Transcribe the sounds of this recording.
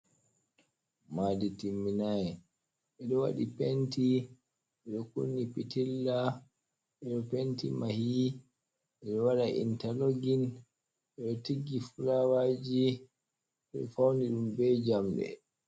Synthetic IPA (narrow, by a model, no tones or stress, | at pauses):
maːditimːinajɛ | ʔɛɗɔwa̰ɗipenti | ɛɗɔkṵnːipitilːa | ɛɗɔpentimahi | ɛɗɔwaɗaʔḭntaloɡin | ʔɛɗɔtiɡːifulawad͡ʒi | ɛɗɔ̰fawndiɗumbɛd͡ʒamɗɛ̰